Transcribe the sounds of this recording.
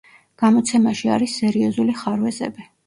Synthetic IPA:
ɡ̥amɔt̪sʰɛmaʃia̰ɾisːɛɾiɔzuliχaɾwɛzɛ̰bi

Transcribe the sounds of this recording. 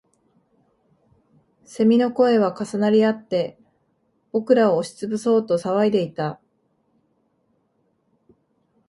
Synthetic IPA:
se̞mʲino̞ko̞e̞β̞akasanaɾʲiat̪ːe̞ | b̥o̞kɯ̟ɾaoːɕi̥t͡sɨbɯ̟so̞ːt̪o̞saβaid̪e̞it̪a

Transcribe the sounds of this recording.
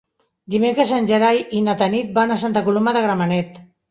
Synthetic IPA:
d̪imekɾesanʲʒəɾajinat̪anit̪̚banasant̪akulumaðəɣɾamanɛt̪

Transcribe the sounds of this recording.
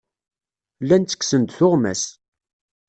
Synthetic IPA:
lːænt̪ːə̥ksənt̪θʊʁmæ̰s

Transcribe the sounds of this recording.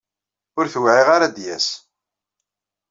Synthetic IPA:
ʊɾθwʕiʁaɾad̪jæs

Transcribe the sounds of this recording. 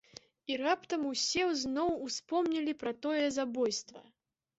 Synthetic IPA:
irapt̪ɐmusʲɛwznɔwuspɔmnʲɐlʲipɾɐt̪ɔjɛzabɔjst̪vɐ̰

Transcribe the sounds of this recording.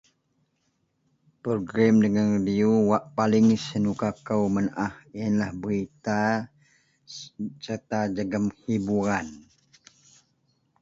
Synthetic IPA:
pɾoɡɾɛmdəŋanridiuwaʔpalɪŋsənukakəwmənʔahinlahbəɾit̪a | sərt̪ad͡ʒəɡəmhibuɾan

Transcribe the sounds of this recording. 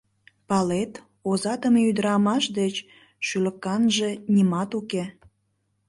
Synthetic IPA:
pɑlet̪ | ozɑt̪əmyd̪əɾɑmɑʃd̪et͡ɕ | ʃyləkɑnʒenʲimɑt̪uke

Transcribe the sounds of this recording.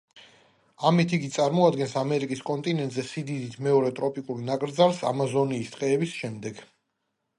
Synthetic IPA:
amit̪ʰiɡit̪sʼaɾmɔad̪ɡɛnsamɛɾikʼiskʼɔnt̪ʼinɛnt̪ʼzɛsid̪id̪it̪ʰmɛɔɾɛt̪ʼɾɔpʼikʼuɾnakʼɾd̪zaɾsa̰mazɔniːst̪ʼqʼɛːbisʃɛmd̪ɛɡ

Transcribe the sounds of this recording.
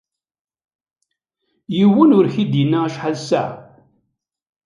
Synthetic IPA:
jiwənʊɾçid̪jinːaæʃħalsæ̰

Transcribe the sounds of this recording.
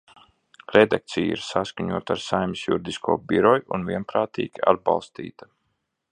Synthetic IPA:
ɾɛd̪ak̚t̪sijḭɾsaskaɲuɔt̪aɾsajmisjuɾd̪iskʰuɔbiɾɔjʔunviɛnpɾaːt̪ḭːɡ̥ʲia̰d̪̚bɑ̰lˠst̪ḭːt̪ḁ

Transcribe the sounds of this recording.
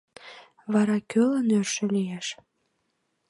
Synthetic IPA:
βɑɾɑkølənørʃĕlijeʃ

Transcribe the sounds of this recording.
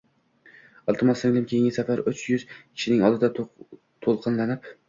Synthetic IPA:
ɒlˠt̪ɨmɒsɪŋlɪmkʲʰejɪŋʲɪsafaɾʊt͡ʃjʊz̥kʲʰɪ̥ʃɪnɪŋɒlˠd̪ɪd̪a | t̪ʰolˠqʰɨnlanɪp

